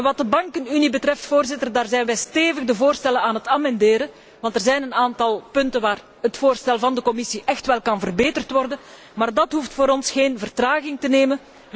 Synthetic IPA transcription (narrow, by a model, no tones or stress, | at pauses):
nʋɑt̚dəbɑŋkənynibətrɛftfoːrzɪtərdaːrzɛjnʋɛjsteːvəɣdəvoːrstɛlənaːnɦətaːmɛndeːɾən | ʋɑntərzɛjnənaːntɑlˠpɵntənʋaːr | ɦətfoːrstɛlˠvɑndəkɔmɪsiʔɛxtʋɛlˠkɑnvərbeːtərtʋɔrdən | maːrdɑtɦuftfoːɾɔnsxeːnvərtraːɣɪŋtəneːmən